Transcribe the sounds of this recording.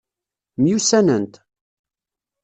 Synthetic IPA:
mjusænənt̪

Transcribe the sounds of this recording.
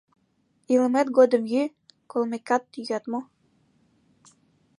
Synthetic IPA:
iləmet̪ɡod̪ə̆mjy | kolˠmekɑt̪ːyjɑt̪mo

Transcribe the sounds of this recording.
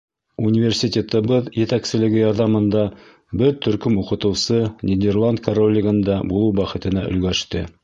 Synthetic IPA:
unʲɪvʲersʲitʲet̪ɤ̆βɤðjɘ̆t̪æksɘ̆lɘ̆ɡɘjɑɾðɑmɤ̆nd̪ɑ | bɘɾt̪ʰɵ̆ɾkɵmuqɤ̆t̪ɤ̆wsɤnʲed̪ʲerlˠand̪̚kɐɾolʲːɪɡɤ̆nd̪ɑbulˠɤwbæχɘ̆t̪ɘ̆næʔɵ̆lɡæʃt̪ɘ

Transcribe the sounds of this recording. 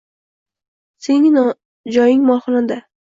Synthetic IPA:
senɪn | d͡ʒɒjɪŋmɒlˠχɨnɪnd̪a

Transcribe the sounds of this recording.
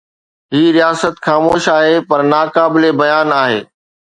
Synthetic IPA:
ɦiːɾijaːsət̪xaːmoːʃaːɦeːpɐɾnaːkaːbɪlebɐjaːnaːɦḛː

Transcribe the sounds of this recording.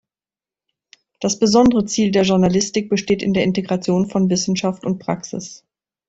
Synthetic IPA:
d̥asb̥əzɔndəʁət͡siːldeːɐʒʊɐnalɪstɪk̚b̥əʃteːtɪ̰ndeːɐɪnteɡʁat͡sjoːnfɔnvɪsn̩ʃaftʊnt̚pʁ̥a̰ksɪ̰s

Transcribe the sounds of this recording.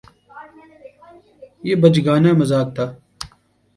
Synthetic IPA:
jeːbɐd͡ʒɡaːnaːmɐzaːk̚t̪ʰaː

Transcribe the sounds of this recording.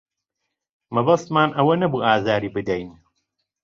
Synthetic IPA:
mɐbɐst̪maːnʔɐwɐnɐbuːʔaːzaːɾiːbɨd̪ɛjn

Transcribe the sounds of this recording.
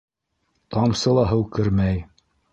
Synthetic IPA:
t̪ɑmsɤ̆lˠɑɦɤwkɘ̆ɾmæj

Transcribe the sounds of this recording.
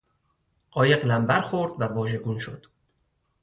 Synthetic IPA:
ɢ̥ɒːje̞ɢlæmbæɾxoɾd̪vævɒːʒe̞ɡuːnʃod̪̥

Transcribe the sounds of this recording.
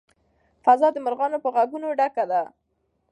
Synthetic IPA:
fazɑd̪əmaɾɣɑnopəɣaɡunoɖakad̪a

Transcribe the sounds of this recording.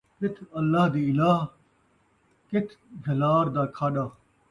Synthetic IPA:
kɪt̪ʰɐlːaːɦd̪iːɪlaːɦ | kɪt̪ʰd͡ʒʱɐlaːɾd̪aːkʰaːɗaː

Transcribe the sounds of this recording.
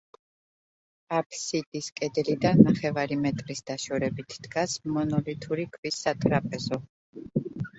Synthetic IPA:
apʰsid̪ʼiskʼɛd̪lid̪annaχɛvaɾimɛt̪ʼɾisd̪aʃɔɾɛbit̪ʰd̪̥ɡasmɔnɔlit̪ʰuɾikʰvisːat̪ʼɾapʼɛzɔ

